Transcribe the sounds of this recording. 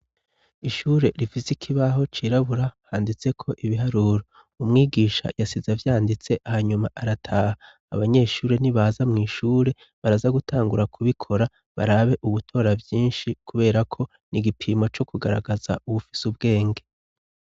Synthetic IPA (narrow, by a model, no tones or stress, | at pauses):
iʃuːɾe̞ɾifisikʰiβaɦo̞t͡ʃiɾaβuɾahaːndit͡se̞kʰo̞ʔiβiɦaɾuːɾo | umŋiːɡiːʃa̰jasizavjaːndit͡se̞ʔahaɲumaʔaɾatʰaːha̰ː | βaɲe̞ʃuːɾe̞niβazamŋiːʃuːɾe̞ | βaɾazaɡutʰaːŋɡuɾakʰuβikʰo̞ɾa | βa̰ɾaβe̞ʔuβutʰo̞ːɾabjiːnʃikʰuβe̞ːɾakʰo̞ | niɡipʰimo̞t͡ʃo̞kʰuɡaɾa̰ɡazauβufisubɡe̞ːŋɡe̞